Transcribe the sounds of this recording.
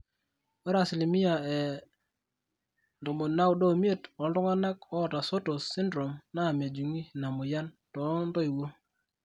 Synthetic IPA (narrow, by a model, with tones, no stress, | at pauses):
wɛ˦ɾa˨si˨li˨mi˦ja˨ɛ˨ | ndo˨mo˨na˦wdo˦˨mi˦e˦˨tɔ˨˦n˦dɔ˦ŋa˦na˦kɔ˦˨ta˨so˦to˨si˦ndɾo˨mna˦˨mja˨d͡ʒu˨ŋi˦˨na˨mʊ˨ja˦n | tɔ˨˦ndɔ˦i˨wo˦